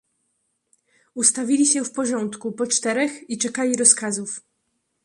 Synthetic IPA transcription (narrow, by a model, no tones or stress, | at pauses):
ust̪avʲilʲiɕɛfpɔʐɔnt̪kupɔt͡ʂt̪ɛɾɛxit͡ʂɛkalʲiɾɔskazuf